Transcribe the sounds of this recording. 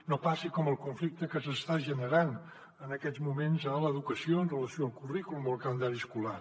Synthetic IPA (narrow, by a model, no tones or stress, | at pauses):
nopasikɔməlˠkuɱflik̚t̪əkəsəst̪aʒənəɾan | ənəkɛd̪d͡zmumenzələðukəsioənrələsioəmˠkurikuluməlˠkand̪aɾiskula